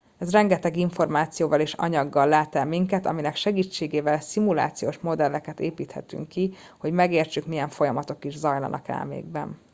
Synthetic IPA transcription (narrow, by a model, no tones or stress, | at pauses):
ɛzrɛŋɡɛt̪ɛɡiɱfo̞rmaːt̪sijoːvɒleːʃɒ̰ɲɒɡːɒlːaːt̪ɛlmiŋkɛt̪ɒ̰minɛkʃɛɡiːt͡ʃːeːɡeːvɛlsimula̰ːt̪sijoːʃmo̞d̪ɛlːɛkɛt̪eːpiːt̪hɛ̰t̪y̰ŋkːi | ho̞ɟmɛɡeːrt͡ʃykmijɛɱfo̞jɒmɒt̪okiʒzɒjlɒ̰nɒ̰kɛ̰lmḛːɡ̚bɛ̰n